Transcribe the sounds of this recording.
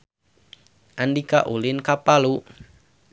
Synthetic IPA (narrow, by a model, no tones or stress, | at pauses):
ʔandikaʔulɪnkapalu